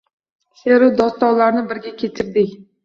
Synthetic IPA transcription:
seɾʊd̪ɒst̪ɒwlaɾnɪbɪɾɡʲakʲʰe̞t̪ʰɪɾd̪ɪkʲ

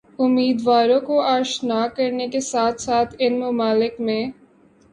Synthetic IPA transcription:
ʊmːiːd̪ʋaːɾõkoaːʃnaːkɐɾnekesaːt̪ʰsaːt̪ʰɪnmʊmaːlɪkmẽː

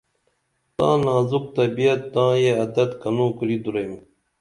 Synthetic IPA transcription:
t̪ã̰ːnãːzuk̚t̪ɐbiɐt̪ːãːjeɐd̪ɐt̪kɐnõːkɾid̪uɾejm

